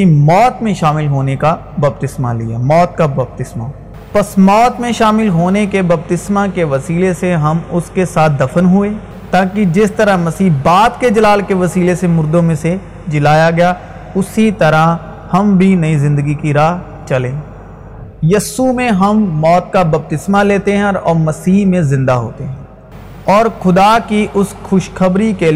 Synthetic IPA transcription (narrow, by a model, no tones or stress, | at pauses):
imɔːt̪mẽʃaːmɪlɦoːneka | bɐb̚t̪ɪsma̰lḭja̰ːmɔːt̪̚kabɐb̚t̪ɪsma̰ | pɐsmɔːt̪mẽʃaːmɪlɦoːnekebɐb̚t̪ɪsmakeʋɐsiːleseɦɐmʊskesaːt̪̚ʰd̪ɐfənɦʊeː | t̪aːkid͡ʒɪst̪ɐɾamɐsiːɦbaːd̪ked͡ʒɐlaːlkeʋɐsiːlesemʊɾd̪õmẽse | d͡ʒɪlaːjaɡɐja | ʊsit̪ɐɾa | hɐmbʱinɐizɪ̃nd̪əɡikiɾaːɦ | t͡ʃɐlẽː | jɐsumẽɦɐmːɔːt̪̚kabɐb̚t̪ɪsmaleːt̪eɦɛ̃ɔːɾmɐsiːɦmẽzɪ̃nd̪aɦo̰ːt̪eɦɛ̃ː | ɔːɾxʊd̪akiʔʊsxʊʃxɐbɾike